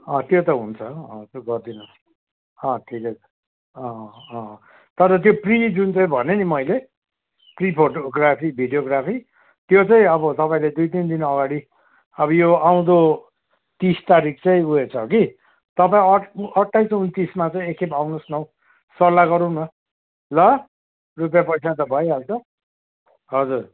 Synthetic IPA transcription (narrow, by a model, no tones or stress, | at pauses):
ʌ̃t̪jot̪ʌɦunt͡sʰʌʌ̃t̪oɡʌrd̪inʌs | ʌ̃ʈʰiket͡sʰʌ̥ | ʌ̃ | t̪ʌɾʌt̪joprid͡zunt͡sʌĩbʱʌnenimʌjle | pripʰoʈoɡrapʰibʱiɖijoɡrapʰi | t̪jot͡saĩʌbʌt̪ʌpaĩled̪ujt̪ind̪inʌɡaɽi | ʌbʌjoaw̃d̪o | t̪ist̪aɾik̚ʰt͡sʌĩuet͡sʰʌki | t̪ʌpaĩʌʌʈːajsunt̪ismat͡sʌĩekʰepawnosnʌw | sʌlːaɡʌɾũnʌ | lʌ | rupjapʌjt͡sʰat̪ʌbʱʌjeɦalt͡sʰʌ | ɦʌd͡zur